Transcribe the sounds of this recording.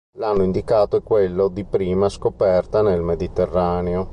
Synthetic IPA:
lanːoind̪ikaːt̪oɛkːwelːod̪ipɾiːmaskopɛrt̪anelmed̪it̪erːaːneo

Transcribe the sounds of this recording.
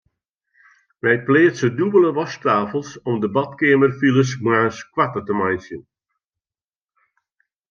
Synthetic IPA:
ʋɛjpleːsədubələʋɔstaːfəlˠsɔmdəbɑtkeəmərfilˠəsmaːskwatətəmajsjən

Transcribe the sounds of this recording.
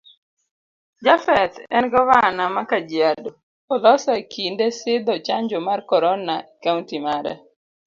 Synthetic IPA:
d͡ʒafɛt̪ɛnɡɔwanamakad͡ʒiado | ɔlɔsakindesɪd̪ɔt͡ʃaɲd͡ʒomarkɔɾɔnakauntimaɾɛ̰

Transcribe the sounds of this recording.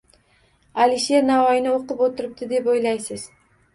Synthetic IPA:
alɪʃe̞ɾnavɒjɪnɪoqɨpot̪ʰɪɾɪp̚t̪ɪd̪e̞pojlajsɪz̥

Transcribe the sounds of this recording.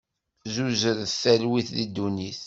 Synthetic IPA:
zuzəɾθælwiθðid̪ːuniθ

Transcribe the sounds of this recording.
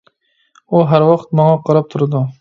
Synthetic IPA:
ʊɦaɾwɒqt̪mɒŋɑqʰɑɾɑp̚t̪ʰʊɾd̪ʊ

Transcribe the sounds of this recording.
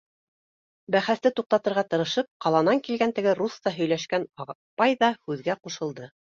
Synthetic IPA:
bæχæst̪ɘt̪uq̚t̪ɑt̪ɤ̆ɾʁɑt̪ɤ̆ɾɤ̆ʃɤp̚qɑlˠɑnɑŋkilɡænt̪ɘ̆ɡɘɾust̪ɑɦɵ̆jlæʃkænɑ | pɑjðɑhʉðɡæquʃɤ̆lˠd̪ɤ

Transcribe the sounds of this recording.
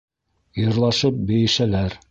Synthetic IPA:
jŏɾlˠɑʃɤp̚bɘ̆jɘ̆ʃælæɾ

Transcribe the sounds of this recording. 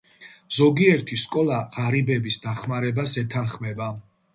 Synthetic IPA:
z̥ɔɡiɛɾt̪ʰiskʼɔlˠaʁaɾibɛbisd̪aχmaɾɛbasɛt̪ʰanχmɛba

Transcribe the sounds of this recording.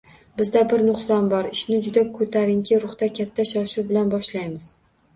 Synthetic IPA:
bɪzd̪abɪɾnʊqsɒnbɒɾɪʃnɪd͡ʒʊd̪akʰɵt̪ʰaɾɪŋkʲʰɪɾʊχt̪akʲʰat̪ʰːaʃɒʃuwbɪlanbɒʃlajmɪz̥

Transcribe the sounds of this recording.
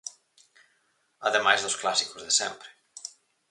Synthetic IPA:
aðemajzðosklasikozðesɛ̰̃mpɾe̥

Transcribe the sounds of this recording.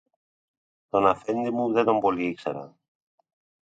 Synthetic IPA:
t̪o̞nɐfend̪imuðet̪omboliiksɐ̰ɾɐ̰

